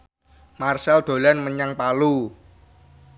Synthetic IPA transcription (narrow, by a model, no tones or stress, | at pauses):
marsɛld̪̥o̤lanməɲaŋpalu